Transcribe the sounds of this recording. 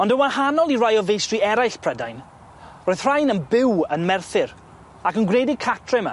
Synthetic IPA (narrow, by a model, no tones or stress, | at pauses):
ɔndəwahanɔlˠirajɔvejstriɛɾajɬpʰrədajn | roːɨð̥r̥ajnənbɪwənmɛrθɪɾ | akənɡedɪkʰatʰrɛma̰